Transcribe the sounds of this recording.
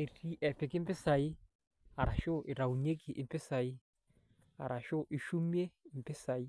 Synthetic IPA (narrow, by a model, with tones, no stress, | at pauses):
e˨ri˦ʔɛ˨pɪ˨kɪ˦mpɪ˦sa˨i˦ | a˨ɾa˨ʃʊ˦ʔɪ˨ɾa˨u˨ɲe˦ki˨ʔɪ˨mpɪ˦sa˨i˦ | a˨ɾa˨ʃo˦ʔɪ˨ʃu˦mje˦ɪ˨mpɪ˦sa˨i˦